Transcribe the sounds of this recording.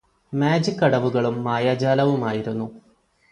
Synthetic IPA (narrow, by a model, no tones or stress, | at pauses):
maːd͡ʑikːɐɽɐʋuɣɐɭumːaːjaːd͡ʑaːlɐʋumaːjiɾunːu